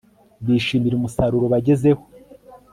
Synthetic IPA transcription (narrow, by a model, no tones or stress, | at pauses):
βiːʃiːmiɾumusaɾuɾoβaɟe̞ze̞ho